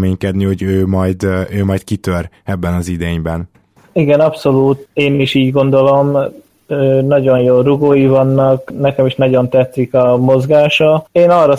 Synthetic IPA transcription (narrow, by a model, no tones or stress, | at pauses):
meːɲkɛd̪niho̞ɟøːmɒjd̪øːmɒjt̪̚kit̪øɾ | ɛbːɛnɒzid̪eːɲbɛn | iɡɛnɒpso̞luːt̪eːniʃiːɟɡo̞nd̪o̞lo̞m | øːnɒɟo̞njoːruɡoːjivɒnːɒknɛkɛmiʃnɒɟo̞nt̪ɛt̪sikɒmo̞zɡaːʃɒeːnɒrːɒ